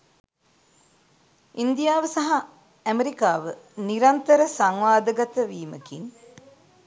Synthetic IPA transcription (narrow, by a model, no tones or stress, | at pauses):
ind̪ijaːʋəsaɦa | æmeɾikaːʋəniɾant̪əɾəsaŋʋaːd̪əɡat̪əʋiːməkin